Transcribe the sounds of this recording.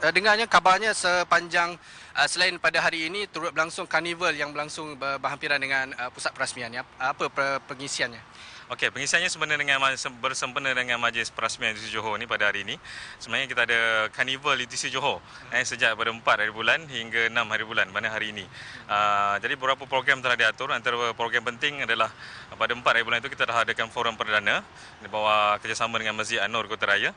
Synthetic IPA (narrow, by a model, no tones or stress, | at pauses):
ədəŋaɲakabarɲasəpaɲd͡ʒaŋ | ʔəsəlaɪnpadaɦaɾiːnĩt̪uɾʊt̪̚bəlaŋsʊŋkanivəljaŋbəlaŋsʊŋbəbəɦampiɾandəŋãnəpusat̪̚pəɾasmĩanɲːpəpəpəŋisianɲa | okepəŋisianɲasəmpənədəŋãnmasəbərsəmpənə̃dəŋãnmãd͡ʒlɪspəɾasmĩanut̪isid͡ʒoɦonipadaɦaɾiːnĩsəmnaɲãkit̪aːdakanivəlut̪isid͡ʒoɦo | ɛsəd͡ʒaʔpadaəmpat̪̚ɦaɾibulanhiŋɡanãmhaɾibulanmanaɦaɾiːnĩəd͡ʒadibəbɾapapɾoɡɾamt̪əlahdiat̪ʊɾant̪aɾəpɾoɡɾampənt̪ɪŋadalahpadaəmpat̪ɾajibulant̪ukit̪alaɦadakanfoɾəmpərdanə̃ | dibawakərd͡ʒasamãdəŋãnməsd͡ʒɪʔ̪anʊrkot̪aɾaja